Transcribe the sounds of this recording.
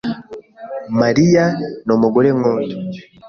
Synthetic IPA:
maɾijanomuɡoɾeŋoːto

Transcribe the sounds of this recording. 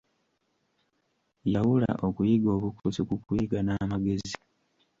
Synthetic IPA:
jawula̰ʔo̞kujiɡo̞ːβukusikukujiɡanaːmaɡe̞zi

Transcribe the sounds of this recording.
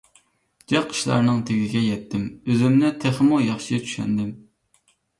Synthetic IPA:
d͡ʒɛqʰːə̥ʃlˠɑ̰ɾnɨŋt̪ʰeɡʲɪɡʲɛjɛt̪ʰːɪmøzymnɪt̪ʰeχmujɑχʃɪɡʲɛt͡ʃʰy̥ʃɛ̰nd̪ɪm

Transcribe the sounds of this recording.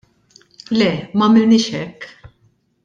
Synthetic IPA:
lɛmɐminiʃɛk

